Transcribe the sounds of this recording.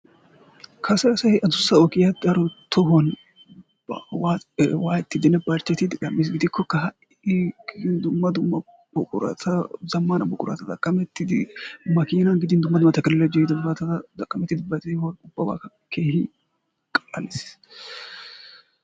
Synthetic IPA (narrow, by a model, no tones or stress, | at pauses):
kʰɐsɐsɐhɪʔɐd̪ʊsːɐɔkɪjɐd̪ɐɾɔt̪ɔɦɔn | wawaːjɛt̪ːɪd̪ɪnːɛbɐɾt͡ʃːɛt̪ɪd̪ɪᶑɐmːɪs̬ɡɪd̪ɪkʰːɔkɐɦɐʔ | eɡɪɪnd̪ʊmːɐd̪ʊmːɐ | bɔkʼʊ̰ɾɐ̰t̪ʰɐzɐmːanɐbɔkʼʊɾɐ̰t̪ɐd̪ɐkʼːɐmɛt̪ːɪd̪ɪmɐkiːnɐnɡɪd̪ɪnd̪ʊmːɐd̪ʊmːɐt̪ɐkɪllɛd͡ʒɔɪd̪ʊbɾɐt̪ɐd̪ɐkʼːɐmɛt̪ːɪd̪ɪbɐt̪ewʊbːɐba̰ːɐ | keːhɪ | kʼɐlɐ̰lɪs